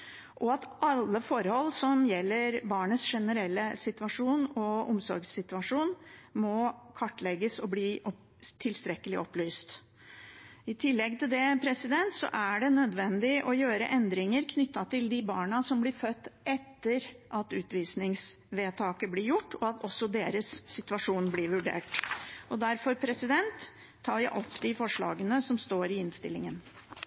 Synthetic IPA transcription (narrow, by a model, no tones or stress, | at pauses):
ʔɔɑt̪ʔɑlːəfɔɾhɔlːsɔmjɛlːəɾbɑːɳəsʂɛnəɾɛlːəsɪt̪ʋɑʂuːnɔɔmsɔɾɡsɪt̪ʉɑʂuːnmɔkʰɑʈːlɛɡːəsɔbliːʔɔ | t̪ʰɪlst̪ɾɛkːəlɪʔɔplyːst̪ | ɪt̪ʰɪlːɛɡ̚t̪ʰɪld̪ɛpʰɾɛsɪd̪ɛnt̪sɔ̰ʔæɖɛnœd̪ʋɛnd̪ɪʔɔjøːɾə̰ʔɛnd̪ɾɪŋəɾkʰnʏt̪ːɑt̪ɪld̪ɪbɑːɳɑsɔmblɪɾfœt̪ːɛt̪ːəɾʔɑt̪ʉːt̪ʋiːsnɪŋsʋeːt̪ʰɑːkəblɪɾjʊʈːɔɑt̪ʰɔsːɔd̪eːɾəsːɪt̪ʉɑʂuːnblɪːɾʋʉɖḛːʈʔɔd̪æɾfɔɾpʰɾɛsɪd̪ɛnt̪ʰː | ɑːɾjæɪʔɔpd̪ɪfɔʂɭɑ̰ːɡənəsɔmst̪oːɾɪɪnst̪ɪ̰lːɪŋən